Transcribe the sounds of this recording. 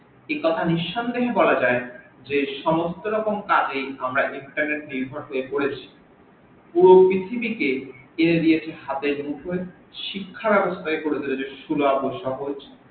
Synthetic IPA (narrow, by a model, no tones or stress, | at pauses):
ekɔt̪ʰaniʃːɔnd̪eɦebɔlad͡ʑae | d͡ʑeʃɔmost̪oɾɔkomkad͡ʑejamɾaʔiɳʈaɾneʈ̚niɾbʱɔɾɦoekoɽet͡ɕʰi̥ | puɾopɾit̪ʰibikeeɾed̪iet͡ɕʰeɦat̪enukɦoe | ʃikʰːabɛbost̪ʰaɦekoɽet͡ɕʰilod͡ʑeʃuloabojʃaɦoet͡ɕʰe̥